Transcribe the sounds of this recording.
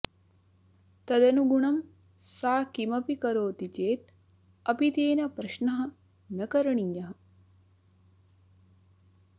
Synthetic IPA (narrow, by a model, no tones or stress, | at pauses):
t̪ɐd̪ɐnuɡuɳɐm | saːkimɐpikɐɾoːt̪it͡ʃeːt̪ | ɐpit̪eːnɐpɾɐʃnɐɦɐ̆ | nɐkɐɾɐɳiːjɐɦɐ